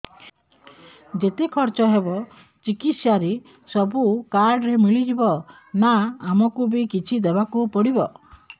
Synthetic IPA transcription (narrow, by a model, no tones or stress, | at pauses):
d͡ʒet̪ekʰɔɾt͡ʃɔɦebɔ | t͡ʃikit̪saɾe | sɔbukaɾɖɾemiɭid͡ʒibɔ | naːmɔkubikit͡ʃʰid̪ebakupɔɽibɔ